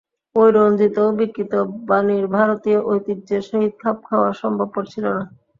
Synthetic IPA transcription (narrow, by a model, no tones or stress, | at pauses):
ojɾond͡ʑʱit̪obikːɾit̪obaniɾbʱaɾot̪ioʔojt̪id͡ʑeʃoɦid̪̚kʰap̚kʰaoaɾʃɔmbʱab̚koɾt͡ɕʰilona